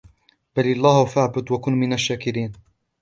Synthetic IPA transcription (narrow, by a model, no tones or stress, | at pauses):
balɑlˤːaːhʊfaʕbʊd̪wakʊnmɪnaʃːaːkɪɾiːn